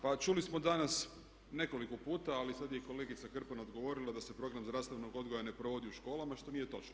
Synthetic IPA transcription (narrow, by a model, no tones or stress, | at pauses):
pat͡ʃulismo̞d̪anas | ne̞ko̞likopuːt̪aːlisad̪jeko̞le̞ɡit̪sakr̩panaod̪ɡo̞ʋo̞ɾilˠad̪ase̞pɾo̞ɡɾamzd̪ɾast̪aʋnoɡo̞d̪ɡojane̞pɾoʋo̞d̪iuʃko̞ːlˠamaʃt̪o̞nije̞t̪o̞t͡ʃno